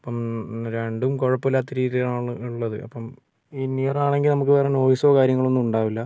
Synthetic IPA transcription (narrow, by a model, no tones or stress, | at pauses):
ɐpːɐmɾeɳɖumko̞ɻɐpːilːaːt̪ːɐɾiːt̪ijaːɳɭɨuɭːɐðɨʔɐ̰pːɐm | inːijɐraːɳe̞ŋɡilnɐmukːɨperɐenoːʋisoːkaːɾjɐŋːɐɭo̞nːumuɳɖaːʋilːɐ